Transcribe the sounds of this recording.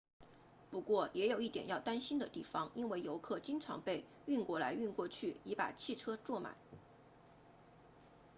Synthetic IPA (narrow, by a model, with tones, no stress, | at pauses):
pu˧˥kwɔ˥˩jɛ˧˥jo˨˩ʊi˥˩t̪jɛ̰˨˩njɑ˥˩ʊt̪a˥nɕi˥nd̪ə˨t̪i˥˩fɑ˩ŋi˥nwe˥˩ɪjo˧˥ʊkʰɤ˥˩t͡ɕi˥ŋʈ͡ʂʰɑ̰˧˥ŋpe˥˧ɪ | y˥˧nkwɔ˥la̰˧˥ɪy˥˧nkwɔ˥˧t͡ɕʰy˥˩i˧˥pa̰˨˩t͡ɕʰi˥˩ʈ͡ʂʰɤ˥ʈ͡ʂwɔ˥˩ma̰˨˩˦n